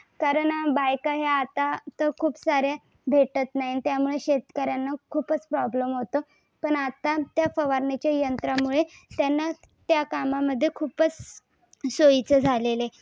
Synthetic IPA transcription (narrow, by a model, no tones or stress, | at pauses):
kaɾəɳbajkaɦeat̪at̪əkʰuːpsaɾja | bʱeʈət̪naɦint̪jamuɭeɕet̪kəɾjanːakʰuːpət͡spɾɔbləmɦot̪o | pəɳat̪at̪jafəʋaɾɳet͡ɕjajənt̪ɾamuɭet̪janːa | t̪jakamaməd̪ʱːjekʰuːpət͡s | soit͡səd͡zʱalele